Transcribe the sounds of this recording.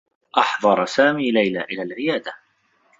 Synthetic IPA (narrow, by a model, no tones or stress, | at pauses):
ʔɑħðˤɑɾˤsaːmiːlajlaːʔɪlaːlʕɪjaːd̪a